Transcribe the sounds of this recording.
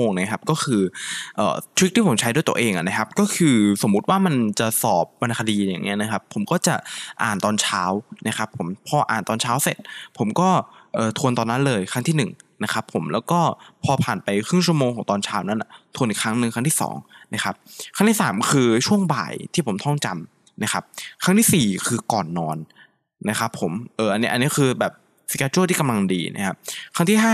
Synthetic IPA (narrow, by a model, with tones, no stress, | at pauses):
oː˧ŋna˦˥kʰa˦˥p̚kɔː˥˩kʰɯː˧ʔɤ̰ː˨˩t͡ɕʰu˦˥k̚t̪iː˥˩po˩˦mt͡ɕʰdu˥˩jt̪ə˧ʔeː˧ŋʔa̰˨˩na˦˥kʰa˦˥p̚kɔː˥˩kʰɯː˧so˨˩˦mːu˦˥t̪̚waː˥˩ma˧nt͡ɕa˨˩sɔː˨˩p̚wa˧nkʰa˧diː˧ja̰ː˨˩ŋːʔi˦˥ɐna˦˥kʰa˦˥pʰːo˩˦mkɔː˥˩t͡ɕa˨˩ʔa̰ː˨˩nt̪ɔː˧nt͡ɕʰaː˦˥wna˦˥kʰa˦˥pʰːo˨˩˦mpʰɔː˧ʔa̰ː˨˩nt̪ɔː˧nt͡ɕʰaː˦˥wse˨˩t̪̚pʰo˩˦mkɔː˥˩ʔɤː˨˩t̪ʰu˧ənt̪ɔː˧nːa˦˥nlɤː˧jkʰa˦˥ŋt̪ʰiː˥˩nɯ˨˩ŋna˦˥kʰa˦˥pʰːo˨˩˦mlɛː˦˥wkɔː˥˩pʰɔː˧pʰaː˨˩npa˧jkʰɾɯ˥˩ŋt͡ɕʰu˥əmoː˧ŋʰɔː˩˦ŋt̪ɔː˧nt͡ɕʰaː˦˥wna˦˥nʔa̰˨˩t̪ʰu˧ənʔi˨˩kʰɾa˦˥ŋnɯ˨˧ŋkʰa˦˥ŋt̪ʰi˥˩sɔ̰ː˩˦ŋna˦˥kʰa˦˥p̚kʰŋt̪ʰiː˥˩aː˩˦mkʰɯː˧t͡ɕʰu˥˩əŋba̰ː˨˩jt̪ʰiː˥˩pʰo˩˦mt̪ʰɔ˥˩ŋt͡ɕa˧m | na˦˥kʰa˦˥p̚kʰɾa˦˥ŋt̪ʰiː˥˩siː˨˩kʰɯː˧kɔː˨˩nːɔː˧n | na˦˥kʰa˦˥pʰːo˨˩˦mʔɤː˨˩ʔa˧nːi˦˥ʔa˧nːi˦˥kʰɯː˧bɛː˨˩p̚ | si̥˧kaː˧˥t͡ɕu˥˨t̪iː˥˩ka˧la˧ŋdḭː˧nʔa̰˦˥kʰa˦˥p̚kʰa˦˥ŋt̪ʰiː˥˩ɦaː˥˩